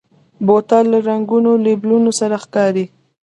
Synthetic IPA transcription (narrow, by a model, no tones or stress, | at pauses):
bot̪alːaɾaŋɡunoleblunosaɾaxkɑɾi